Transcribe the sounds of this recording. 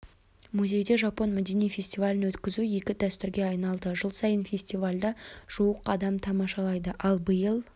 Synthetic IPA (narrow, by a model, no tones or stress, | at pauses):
muzʲe̞jd̪e̞ʒɑpo̞nmæd̪e̞nijfʲe̞sʲt̪ivalʲɪnwɵt̪kʲɪzuje̞kʲɪd̪æst̪ʏɾɡʲe̞ɑjnɑlˠd̪əʒəlˠsɑjənfʲe̞sʲt̪ivalʲd̪ɑʒ̥uwəqɑd̪ɑmt̪ʰɑmɑʃɑlˠɑjd̪əʔɑlˠbəjəlˠ